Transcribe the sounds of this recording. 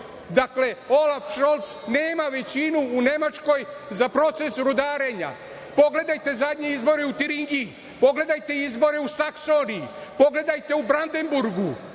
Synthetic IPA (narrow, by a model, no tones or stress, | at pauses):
d̪akle̞o̞lafʃolˠt̪sne̞ːmaʋe̞t͡ɕinuːne̞mat͡ʃko̞jzapɾo̞t̪se̞sɾud̪aːɾe̞ɲa̰ | po̞ɡle̞d̪ajt̪e̞zad̪ɲeizbo̞ɾeut̪iɾiŋɡi | po̞ɡle̞d̪ajt̪e̞izbo̞ɾe̞usakso̞niipo̞ɡle̞d̪ajt̪e̞ubɾand̪e̞mbuɾɡu